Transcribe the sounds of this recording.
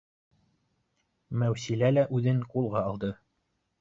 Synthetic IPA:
mæwsilælæʔʉðɘŋqulˠʁɑːlˠd̪ɤ

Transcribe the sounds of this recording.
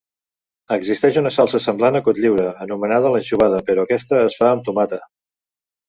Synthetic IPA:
əɡzist̪ɛʃunəsalˠsəsəmblanəkot̪ʎiwɾəːnumənaðələnʲʃuβaðəpəɾɔəkɛst̪əːsfaənt̪umat̪ə

